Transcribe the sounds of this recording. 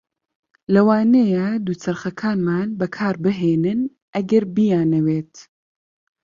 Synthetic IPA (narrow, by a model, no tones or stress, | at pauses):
lɐwaːnejɐd̪uːt͡sɐɾχɐkʰaːnmaːnbɐkʰaːɾbɨɦeːnɨn | ʔɐɡɐɾbijaːnɐweːt̪